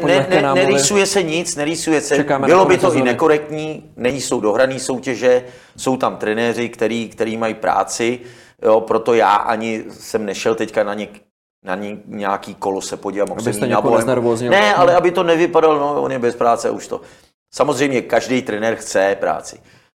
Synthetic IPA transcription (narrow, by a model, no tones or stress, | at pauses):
nɛnɛnɛɾɪsujɛsɛɲɪt͡snɛɾɪsujɛsɛamɪlobɪt̪oʔɪnɛko̞ɾɛk̚t̪ɲiːnɛɲɪso̞wdo̞ɦɾaniːso̞wcɛʒɛ | so̞wt̪amt̪ɾɛnɛːrɪkt̪ɛɾiːkt̪ɛɾiːmajipɾa̰ːt͡sɪ | jo̞pɾo̞t̪o̞ja̰ːʔa̰ɲɪsɛmnɛʃɛlt̪ɛckanaɲɛk | na̰ɲɪɲaːkiːko̞losɛpoɟɪvamasɛinaojɛmɾoːzɪnɛalɛabɪt̪o̞nɛvɪpadalno̞onjɛbɛspɾaːt͡sɛa̰uʃt̪o̞̰ | samozr̝ɛjmɲɛkaʒdɛjt̪ɾɛnɛːɾxt͡sɛpɾa̰ːt͡sɪ̥